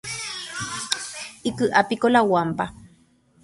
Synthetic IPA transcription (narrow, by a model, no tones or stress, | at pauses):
ikɨʔapikolawampa